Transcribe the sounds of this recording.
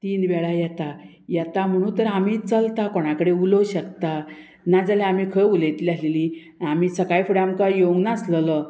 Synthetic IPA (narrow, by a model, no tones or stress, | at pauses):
t̪iːnʋɛɭajɛt̪a | jat̪am̤əɽ̃ũːnt̪əɾamiːt͡səlt̪akɔɽ̃akəɽeuləɕəkt̪a | nad͡zaleamiːkʰəulet̪lialeli | amiːsəkajfuɽamkajoɡnaslələ